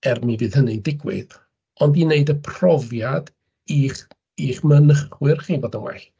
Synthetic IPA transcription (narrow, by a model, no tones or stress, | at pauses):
ɛrmivɨːð̥hənɨdɪɡwɪ̰ð | ɔndineɨdəpʰrɔvjad | iːχ | iːχmənəχwɨrχiːboːdənwɛ̰ɬ